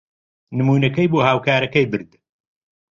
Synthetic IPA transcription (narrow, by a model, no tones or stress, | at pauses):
nɨmuːnɐkɐjboːhaːwkaːɾɐkɐjbɨɾd̪